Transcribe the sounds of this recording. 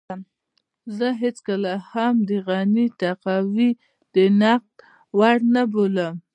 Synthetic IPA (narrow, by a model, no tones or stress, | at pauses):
m | zəɦet͡skəlahamd̪əɣanit̪aqɑwi | d̪̥ənaq̚d̪ | waɽnaboləm